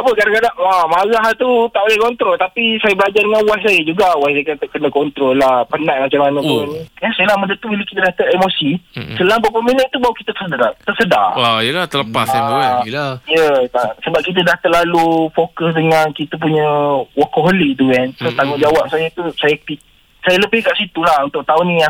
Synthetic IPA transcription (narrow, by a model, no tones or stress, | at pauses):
apəkadaŋkadaŋamaɣaɦt̪ut̪aʔbolɛhkɔnt̪ɾɔlt̪apisajabəlad͡ʒardəŋanwasajəd͡ʒuɡawajsajkt̪aʔ̚kənə̃kɔnt̪ɾɔlːahpənãʔmat͡ʃamanə̃pʊnkansajəlahmə̃ndət̪ubiləkit̪ədat̪əʔɛmosisəlabəpəmĩləŋt̪ubaukit̪ət̪ərsədaɾat̪ərsəda̰rajəlaht̪ələpa̰s | ijət̪asəbap̚kit̪̬ədaht̪əlalufokəsdəŋankit̪əp̬uɲəwakoɦolit̪̬uɛnsot̪aŋʊʔ̚d͡ʒawap̚sajat̪usajapi | sajaləbɪhkaʔsit̪ulahunt̪ʊʔ̚t̪aʊnːĩa